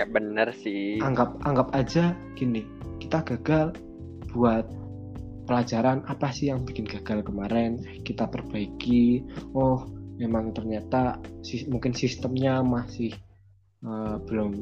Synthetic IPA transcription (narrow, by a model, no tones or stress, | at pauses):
abənərsɪaŋɡap̚aŋɡap̚ad͡ʒa | ɡ̥ini | kit̪aɡ̥a̤ɡ̥al | b̥uat̪̚ | pəlḁd͡ʒa̤ɾanapasɪhjaŋb̥ikɪnɡ̥a̤ɡ̥alkəmaɾɛn | kit̪ap̪ərb̥aikiɔhmemaŋt̪ərɲat̪asimuŋkɪnsist̪əmɲamasɪh | əb̥əlʊm